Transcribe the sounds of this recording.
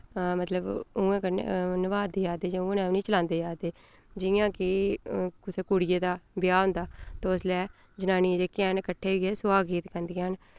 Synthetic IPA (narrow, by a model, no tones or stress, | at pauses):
mət̪ləbʊ̃ːẽːkə̰nɪʋaːd̪eːjaːd̪eːd͡ʒẽʊ̃ːnɛːʊniːt͡ʃəlãːnd̪eːjaːd̪eː | d͡ʒɪjãːkɪkʊseːkuːɽɪjeːd̪aːbɪjaːɦʊ̃nd̪aːt̪oːslɛː | d͡ʒənaːnied͡ʒeːkɛːnkəʈʰːeːɡeːsʊaːɡiːt̪kənd̪iːaːn